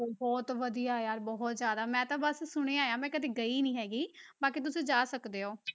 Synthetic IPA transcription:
oːbɔːt̪ʋəd̪ijaːjaːɾbɔːɦɔt̪zjaːd̪aːmɛ̃ːt̪ãːbəssʊɽ̃eːaːjãːmɛ̃ːkəd̪eːɡəiːnĩːɦɛːɡiːbaːkiːt̪̬ʊsẽːd͡ʒaːsəkd̪eːoː

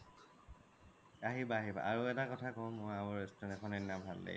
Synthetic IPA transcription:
aɦibaːɦiba̰ʔaɹuɛtakɔtʰakɔmʊjamɔɹestɔnɛkʰɔnɛnabʱalːḛ

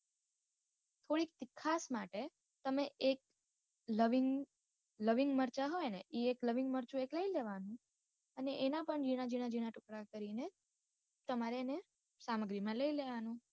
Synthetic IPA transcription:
t̪ʰoɽik̚t̪ikʰːasmaʈe | t̪əmeʔek̚ | ləʋiŋ | ləʋiŋɡməɾt͡ʃaɦojeneʔiekləʋiŋɡməɾt͡ʃũekləileʋanũ | əneʔenapəɳd͡ʒiɽ̃ad͡ʒinad͡ʒiɽ̃aʈʊkɽakəɾine | t̪əmaɾene | saməɡɾimãləileʋanũ

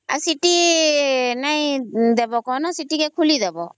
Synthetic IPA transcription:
a̰siʈi | naĩd̪ebɔkɔnɔsiʈikekʰulid̪ebɔ

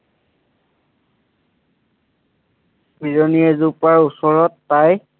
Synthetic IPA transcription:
piɹɔniɛzupaɹusɔɹɔtːaj

